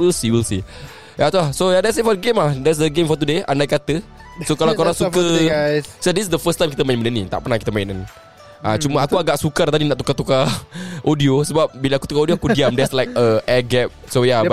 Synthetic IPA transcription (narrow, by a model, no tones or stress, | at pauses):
wilsiwilsi | jat̪ulahsojadɛtsit̚fɔdəɡemahdɛts̬dəɡẽmfɔt̪udeandajkat̪ə | sokalawkaɾasukə | sodissdəfəst̪ãjmkit̪əmaɪ̃nmənənit̪a̰ʔpərnahkit̪əmãɪ̃nan | ʔat͡ʃumaakuaɡaʔsukart̪adinaʔt̪ukat̪ukaʔodiosəbap̚bilaakut̪ukaodioakudiamdɛslajk̚əʔɛɡɛp̚soja